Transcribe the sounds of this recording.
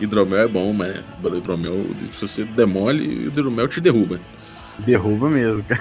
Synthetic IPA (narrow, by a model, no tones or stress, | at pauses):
ɪd̪ɾõmɛwɛbõw̃mabɐld̪ɾomɛw̰sɪvosed̪emɔlɪ̰d̪eɾomɛwt͡ʃɪd̪eɦubɐ | d̪eɦubɐmezmʊka